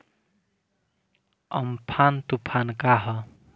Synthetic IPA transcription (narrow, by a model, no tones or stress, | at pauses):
ʌ̰mpʰant̪upʰankaɦʌ